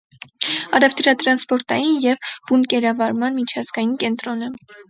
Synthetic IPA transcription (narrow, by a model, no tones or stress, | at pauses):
ɑɾɛvt̪ɾɑt̪ɾɑnspɔɾt̪ɑjinjɛvb̥unkɛɾɑvɑɾmɑnmit͡ʃʰɑzɡɑjinkɛnt̪ɾɔnə